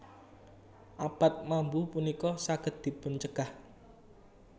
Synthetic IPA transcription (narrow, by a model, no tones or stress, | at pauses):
ʔapat̪̚mambupunikɔsaɡ̥ə̤t̪̚d̪̥i̤pʊnt͡ʃəɡ̥ah